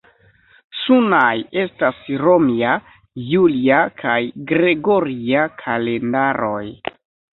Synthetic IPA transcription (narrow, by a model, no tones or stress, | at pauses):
sunaje̞stasɾo̞mia | juliakʰajɡɾe̞ɡo̞ɾiakʰale̞ndaɾo̞j